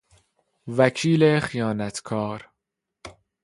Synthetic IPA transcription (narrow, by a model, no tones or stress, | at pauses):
vækʰiːlexijɒːnæt̪ʰkʰɒːɾ